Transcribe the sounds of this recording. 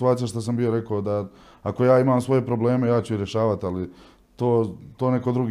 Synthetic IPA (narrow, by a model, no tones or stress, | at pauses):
t̪uaːt̪ijaʃ̬t̪as̬ambijoɾe̞kood̪a | ako̞jaːimaːmsʋo̞je̞pɾo̞bleːmejaːt͡ɕuiɾjeʃaːʋat̪ali | t̪oːt̪oːne̞ko̞d̪ɾuɡ